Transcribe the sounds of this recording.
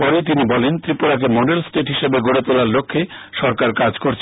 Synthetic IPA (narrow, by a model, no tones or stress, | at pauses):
pɔɾet̪̬inibɔlent̪ɾipoɽak̬emoɖelsʈeʈɦiʃebeɡoɽet̪olaɾlokʰːeʃɔɾkaɾkad͡ʑkoɾt͡ɕʰ